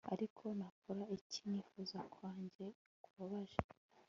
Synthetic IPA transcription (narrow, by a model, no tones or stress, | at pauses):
a̰ɾikʰo̞nakʰoɾaiciɲiːfuzakʰwaːɲɟe̞ | kuβaβaʒe